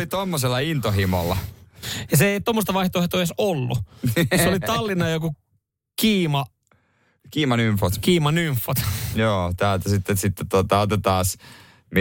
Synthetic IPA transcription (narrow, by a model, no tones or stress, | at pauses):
lit̪omːoselːɑint̪ohimo̰lːɑ̰jɑseeit̪omːost̪ɑʋɑiht̪oˑiht̪ojesolːṵseolit̪ɑlːinɑjoku | kiːmɑ | kiːmɑnyɱfot̪kiːmɑnyɱfːot̪joːt̪æːlt̪æsit̪ːesit̪ːet̪ot̪ɑot̪et̪ɑːs | mi